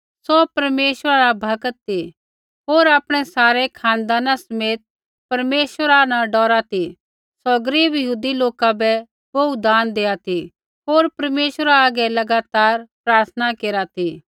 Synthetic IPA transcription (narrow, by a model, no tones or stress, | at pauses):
sɔpɐɾmeːʃəɾaɾabʱɐkət̪ːi | ɦoːɾaːpɽ̃ɛsaːɾɛkʰãːnd̪aːnasɐmeːt̪̚ | pɐɾmeːʃəɾanãɖɔːɾat̪ʰi | sɔɡəɾiːbjɐɦuːd̪iloːkabɛ | boud̪aːnd̪eːat̪ʰi | ɦoːɾpɐɾmeːʃəɾaaːɡɛlɐɡaːt̪aːɾpɾaːɾt̪ʰnakeːɾat̪ʰi